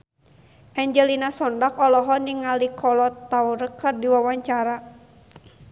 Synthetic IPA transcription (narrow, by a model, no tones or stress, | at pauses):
ʔɛɲd͡ʒɛlinasɔndakɔlɔɦɔniŋalikʰɔlɔt̪ːauɾəkːɨrdiwawaɲt͡ʃaɾa